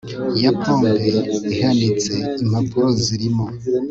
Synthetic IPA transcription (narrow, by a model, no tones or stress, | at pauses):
japoːndeihandit͡se̞im̥hapuɾo̞ziɾimo̞